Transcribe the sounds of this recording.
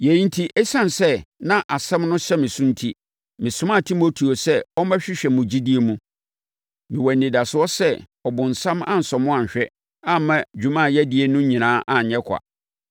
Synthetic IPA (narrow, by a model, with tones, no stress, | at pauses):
je˨i˦n̩˦tʰi˦ʔɛ˦sã˦nsɛ˦nã˦ʔa˨sɛ̃˦mnʊ̃˦ɕɛ˦mɪ̃˨sʊ̃˦n̩˦tʰi˦ | mɪ̃˨sʊ˦mã˦˨tʰi˦mo˦tʰi˨o˨sɛ˦ɔ˦mã˦ɕᶣɪ˦ɕᶣɛ˨mʊ̃˨d͡ʑi˦di˦e˨mũ˦ | mɪ̃˨wɔ˨nː˨ɪ̃˨da˨sʊ˨ɔ˦sɛ˦ | ɔ˨bʊ̃˨n̩˨sã˦mã̰˦n̩˨sɔ˨mʊ̃˦ã˨ɲ˨ɕᶣɛ˦ | ã˦mã˦d͡ʑᶣũ˨mã˦˨jɛ˦di˦e˦nʊ̃˦ɲĩ˨nãː˨˦ʔã˨ɲ˨ɲɛ̃˦kʰa̰˨